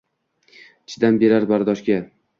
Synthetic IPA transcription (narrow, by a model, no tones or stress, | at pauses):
ɪt͡ʃʰɪd̪anbe̞ɾaɾbaɾd̪ɒʃɡʲa